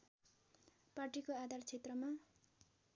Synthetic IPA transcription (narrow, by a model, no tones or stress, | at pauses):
parʈikoad̪ʱart͡sʰet̪rʌma